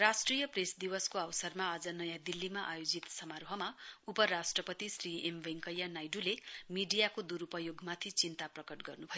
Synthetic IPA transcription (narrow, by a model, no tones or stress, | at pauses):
rasʈrijʌpresd̪iwʌskoawsʌrmaːd͡zʌnʌjãd̪ilːimaʔajod͡zit̪sʌmaɾɦʌmaupʌɾasʈrʌpʌt̪isriembʱeŋkʌjanajɖulemiɖijakod̪uɾupʌjoɡmat̪ʰit͡sint̪aprʌkʌʈɡʌrnubʱʌjo